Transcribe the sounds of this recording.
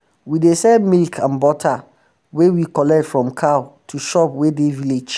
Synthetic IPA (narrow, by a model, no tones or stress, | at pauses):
widesɛmilkʰãnbɔtʰa | wewikʰɔlɛk̚tfɹɔ̃mkʰaʊtʰuʃɔpwedeviled͡ʒ